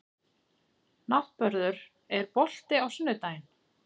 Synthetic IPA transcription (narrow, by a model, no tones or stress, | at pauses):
nat̪pœɾðʏɾ | ɛɾpɔl̥t̪ɪawsʏnːʏt̪aːjn